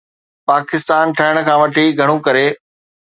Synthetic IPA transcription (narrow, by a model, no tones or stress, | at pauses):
paːkɪst̪aːnʈʰɐɦɪɽ̃̆kʰãːʋɐʈʰiɡʱɐɽ̃ũkɐɾeː